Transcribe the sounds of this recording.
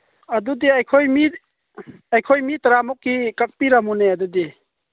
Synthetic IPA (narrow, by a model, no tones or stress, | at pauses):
adudiajkʰojmi | ajkʰojmitɾamɔkːikak̚piɾamuneadudi